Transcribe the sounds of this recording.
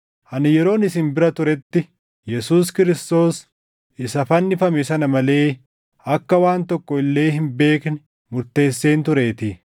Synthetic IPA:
ʔɐnɪjɛɾo̞ːnɪsɪnbɪɾɐt̪ʊɾɛt̪ːɪ | jɛsuːskɪɾɪst̪o̞ːs | ɪsɐfɐnːɪfɐmɛsɐnɐmɐle̞ː | ɐkːɐwaːnt̪ɔkːɔɪlːe̞ːɦɪnbe̞ːknɪ | mʊɾt̪e̞ːsːe̞ːnt̪ʊɾe̞ːt̪ɪ

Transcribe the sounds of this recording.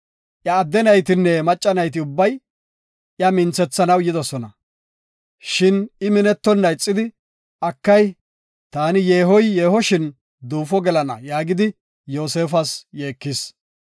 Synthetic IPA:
ʔjɐːd̪ːɛnɐjt̪̬ɪnːɛmɐt͡ʃʼːɐnɐjt̪̬ɪʊbːɐj | ʔjɐmɪnt͡sːɛt͡sːɐnɐwjɪd̪ɔsɔnɐ̰ | ʃɪnɪmɪnɛt̪ːɔnːɐjt͡sʼːɪd̪ɪ | ɐkːɐj | t̪aːnɪjeːɦɔjjeːhɔʃɪn | d̪uːfɔɡɛlɐnɐ̰jaːɡɪd̪ɪ | jo̞ːse̞ːfɐsje̞ːkːɪs

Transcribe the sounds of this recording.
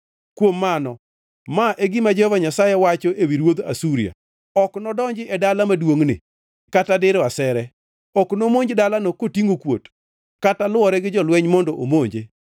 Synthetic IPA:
kwomːanɔ | maʔeɡɪmad͡ʒɔhɔvaɲasajɛwat͡ʃɔʔewiɾwod̪a̰suɾia̰ | ɔknɔdɔɲd͡ʒɪʔɛdalamadwoŋnɪ̰ | katadɪɾɔasɛɾɛ | ɔknomoɲd͡ʒdalanokotiŋokwo̰t | katalwɔɾɛɡɪd͡ʒɔlwɛɲmɔndɔʔomoɲd͡ʒe

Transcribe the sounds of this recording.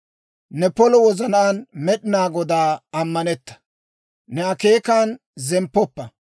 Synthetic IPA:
nɛpɔlɔwɔzɐnaːnmɛɗɪnaːɡɔd̪aːɐmːɐnɛt̪ːɐ̥ | nɛɐkeːkaːn | zɛmpːɔpːɐ

